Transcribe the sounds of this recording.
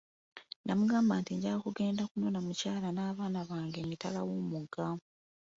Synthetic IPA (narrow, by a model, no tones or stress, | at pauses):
ndamuɡaːmbaːntiɲɟakuɡe̞ːndakuno̞namucaːlanaːβaːnaβaːŋɡe̞mitalawoːmuɡa